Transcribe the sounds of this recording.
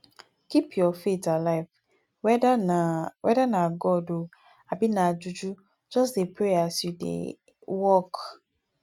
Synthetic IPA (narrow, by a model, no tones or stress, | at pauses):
kipʰjɔfetalaɪf | wʔɛ̰danãɡɔdo | abinãd͡ʒud͡ʒu | d͡ʒɔs̬epʰɾeasudḛ | wɔk